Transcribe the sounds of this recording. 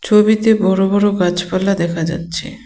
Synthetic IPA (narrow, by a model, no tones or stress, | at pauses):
t͡ɕʰobit̪ebɔɽobɔɾokad͡ʑpalːad̪ɛkʰad͡ʑa̰tːɕʰḛ